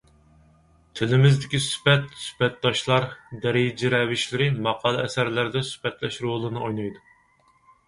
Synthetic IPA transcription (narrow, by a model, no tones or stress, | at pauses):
t̪ʰɪlɪmɪzd̪ɪkʲisy̥fɛt̪sy̥pɛt̪̚d̪ɑʃlˠɑɾd̪ɛɾɪd͡ʒɪɾɛvɪʃlɪɾɪmɑqʰɑːlˠɨɛsæɾlæɾd̪ɛsy̥fɛt̪lɛʃɾolˠɨnɨojnɑjd̪u